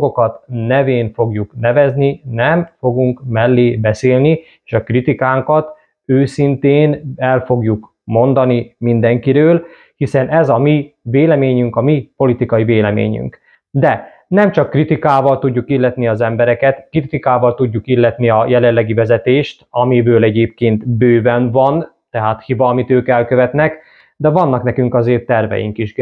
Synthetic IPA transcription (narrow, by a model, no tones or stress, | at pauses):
ɡokɒt̪nɛveːnfo̞ɡjuknɛvɛzninɛmfo̞ɡuŋkmɛlːeːbɛseːlni | eːʃɒkrit̪ikaːŋkɒt̪ | øːsint̪eːnɛlfo̞ɡjuk | mo̞nd̪ɒnimind̪ɛŋkiɾøːl | hisɛnɛzɒmiveːlɛmeːɲyŋkɒmipo̞lit̪ikɒiveːlɛmḛːɲy̰ŋk | d̪ɛ | nɛmt͡ʃɒkːrit̪ikaːvɒlt̪uɟːukilːɛt̪niɒzɛmbɛɾɛkɛt̪krit̪ikaːvɒlt̪uɟːukilːɛt̪niɒjɛlɛlːɛɡivɛzɛt̪eːʃt̪ɒmibøːlɛɟeːp̚keːnt̪bøːvɛnvɒn | t̪ɛɦaːt̪hivɒːmit̪øːkɛlkøvɛt̪nɛk | d̪ɛvɒnːɒknɛkyŋkɒzeːrt̪ːɛrvɛ̰jḭŋkiʃ